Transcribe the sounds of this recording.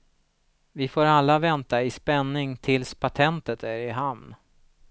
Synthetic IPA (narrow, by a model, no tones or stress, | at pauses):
vɪfoːɾalːavɛnt̪aɪspɛnːɪŋt̪ʰɪlspʰat̪ʰɛnt̪ət̪ʰæɾɪɦamn